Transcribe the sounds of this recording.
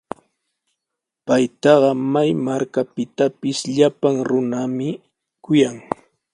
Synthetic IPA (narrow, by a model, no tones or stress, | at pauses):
pajt̪ɑɢɑmajmaɾkapɪt̪apɪsʎapaŋɾʊnamɪ | kʊjaŋ